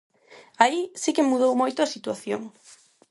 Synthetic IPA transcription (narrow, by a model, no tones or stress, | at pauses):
aisikemuð̞owmojt̪oasit̪waθjo̰ŋ